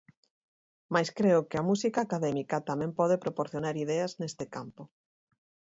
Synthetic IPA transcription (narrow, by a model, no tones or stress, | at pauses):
majskɾeʊkeamusikaːkaðɛmikat̪amɛ̃mpɔðepɾopoɾθjonaɾiðɛaznest̪ɪkampʊ